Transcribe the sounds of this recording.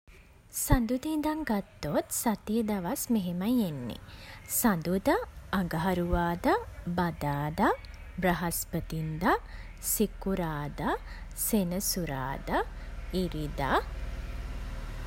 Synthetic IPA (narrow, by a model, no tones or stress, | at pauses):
sand̪ud̪ind̪aŋɡat̪ːot̪sat̪ijəd̪aʋasmeɦemajenːḛsand̪ud̪aːɡaɦaɾuʋaːd̪abad̪aːd̪a | braɦaspət̪ind̪a | sikuɾaːd̪asenəsuɾa̰ːd̪aiɾid̪a̰